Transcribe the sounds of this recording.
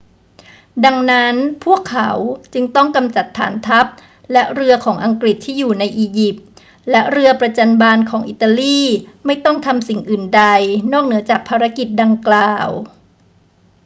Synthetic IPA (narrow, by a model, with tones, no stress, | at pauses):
da˧ŋna˦˥npʰu˥˩əkʰːa̰˩˦wt͡ɕɯ˧ŋt̪ɔ˥˩ŋka˧mt͡ɕa˨˩t̪ʰːa̰ː˩˦nt̪ʰa˦˥p̚ | lɛ˦˥ʔɾɯ˧ɐkʰɔː˩˦ŋʔa˧ŋkɾi˨˩t̪ʰːiː˥˩juː˨˩na˧jʔiː˧ji˨˩p̚ | lɛ˦˥ʔɾɯ˧ɐpɾa˧t͡ɕa˧nbaː˧nkʰɔː˩˦ŋʔi˨˩t̪ːa˧liː˥˩ma˥˩jt̪ɔ˥˩ŋt̪ʰa˧msi˨˩ŋʔɯː˨˩nda˧jnɔː˥˩k̚nɯ˩˦ɐt͡ɕaː˨˩k̚pʰaː˧ɾa˦˥ki˨˩t̪̚da˧ŋklaː˨˩˨w